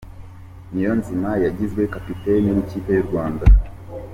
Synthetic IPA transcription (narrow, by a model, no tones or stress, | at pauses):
nijɔnzimajaɡizɡɛkapitɛnim̩t͡ʃipɛɾuwanda